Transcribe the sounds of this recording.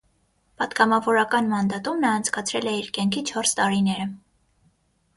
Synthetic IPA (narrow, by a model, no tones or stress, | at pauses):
pɑd̪ɡɑmɑvɔɾɑkɑnmɑnd̪ɑt̪umnɑːnt͡sʰkɑt͡sʰɾɛlɛiɾkɛŋkʰit͡ʃʰɔɾst̪ɑɾinɛɾə